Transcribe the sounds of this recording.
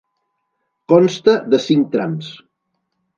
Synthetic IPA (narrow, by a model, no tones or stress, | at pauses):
kɔnst̪əðəsiŋk̚t̪ɾams